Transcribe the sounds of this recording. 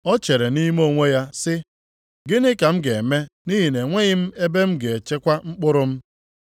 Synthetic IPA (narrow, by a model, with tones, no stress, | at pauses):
ɔ˦t͡ʃe˨ɾe˨ni˦m˦o˦˨ŋʷe˦ja˦sɪ˦ | ɡɪ˦nɪ˦ka˨m̩˦ɡe˨me˦ni˦ɦi˨ne˨ŋʷe˦ɣɪ˦m̩˦e˦be˦m̩˦ɡe˨e˨t͡ʃe˦kʷa˦ŋ͡m̩˦k͡pʊ˦ɾʊ˦m̩˦